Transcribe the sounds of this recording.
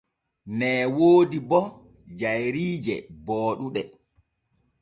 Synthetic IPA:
nɛːwoːdibɔ | d͡ʒajɾiːd͡ʒɛ̰bɔːɗuɗɛ

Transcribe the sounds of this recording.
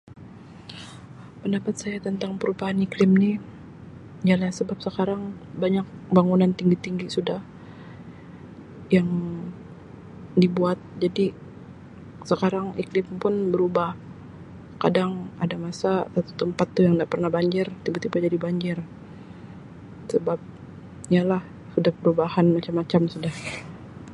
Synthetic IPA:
pəndapat̪̚sajat̪ənt̪aŋpəɾubaɦaniklɪmnɪ | jalasəbap̚səkaɾaŋ | baɲak̚baŋunant̪iŋɡit̪iŋɡisudah | jaŋ | dibuat̪̚d͡ʒadi | səkaɾaŋʔḭklɪmpʊnbəɾubah | kadaŋadamasasat̪u̥t̪əmpat̪ːujaŋdaʔpərnahbaɲd͡ʒɪrt̪ibut̪ibad͡ʒadibaɲd͡ʒɪr | səbap̚ | ialah | sudahpəɾubahanmat͡ʃamːat͡ʃamsudah

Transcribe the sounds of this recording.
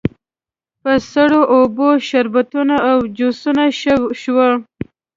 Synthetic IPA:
pəsaɽoʔoboʃaɾbat̪unaːwd͡ʒosunaʃʃwə

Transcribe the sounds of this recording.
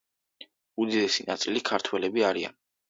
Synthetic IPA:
ud̪id̪ɛsina̰t̪sʼilikʰaɾt̪ʰwɛlɛbiaɾia̰n

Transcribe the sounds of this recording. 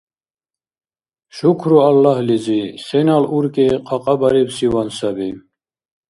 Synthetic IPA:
ʃukʰɾualːahlizisɛnaluɾkʼiqʰʼaqʼabaɾibsiwansabi

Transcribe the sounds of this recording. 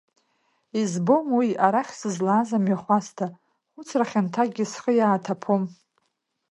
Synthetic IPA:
izbomwiaɾaχʲsɨzlaːzamɥaχʷastʰa | χʷʊt͡sʰraχʲantʰaɡʲɪsχəjaːtʰapʰom

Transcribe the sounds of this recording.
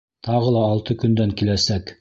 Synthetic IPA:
t̪ɑʁɤlˠɑːlˠt̪ɤkɵ̆nd̪æŋkilæsæk

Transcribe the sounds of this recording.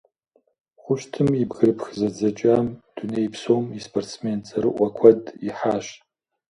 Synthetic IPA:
χʷʊʃtʰɨmibɣɨɾɨpxɨzɐd͡zɐt͡ʃʼamd̥unejpʰsowmispʰortt͡sʰment͡sʼɐɾɨʔʷɐkʷʰɐdiħaːʃ

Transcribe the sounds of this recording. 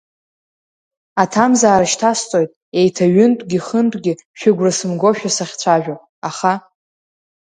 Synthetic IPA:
atʰamzaːɾaʃtʰast͡sʼo̞jtʼe̞jtʰaɥʏntʷʼɡʲiχəntʷʼɡʲɪʃᶣɪɡʷrasɨmɡʷo̞ʃᶣasaχʲt͡ɕʷʰaʒᶣa | aχa

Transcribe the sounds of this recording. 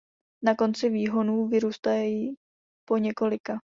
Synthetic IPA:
nako̞nt͡sɪviːɦo̞nuːvɪɾuːst̪ajɛji | po̞ɲɛko̞lɪka

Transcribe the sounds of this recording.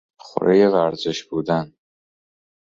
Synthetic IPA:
xo̰ɾejevæɾzeʃbuːd̪æn

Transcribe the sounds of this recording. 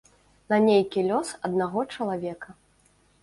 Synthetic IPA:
nanʲejkʲilʲɔsɐd̪naɣɔt͡ʂɐlˠavʲɛkɐ

